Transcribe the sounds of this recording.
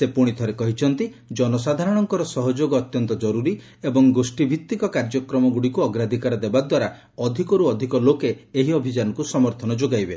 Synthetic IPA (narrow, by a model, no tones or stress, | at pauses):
sepuɽ̃it̪ʰɔɾekɔɦit͡ʃʰɔnt̪i | d͡ʒɔnɔsad̪ʱaɾɔɽ̃ɔŋkɔɾɔsɔɦɔd͡ʒoɡɔːt̪jɔnt̪ɔd͡ʒɔɾuɾi | ebɔŋɡosʈibʱit̪ːikɔkaɾd͡ʒɔkɾɔmɔɡuɽikuɔɡɾad̪ʱikaɾɔd̪ebad̪waɾa | ɔd̪ʱikɔɾuɔd̪ʱikɔlokeeɦiɔbʱid͡ʒanɔkusɔmɔɾt̪ʰɔnɔd͡ʒoɡajbe